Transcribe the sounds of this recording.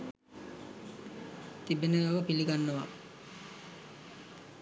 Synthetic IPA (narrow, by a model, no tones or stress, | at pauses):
t̪ibenəʋaʋəpiliɡanːəʋa̰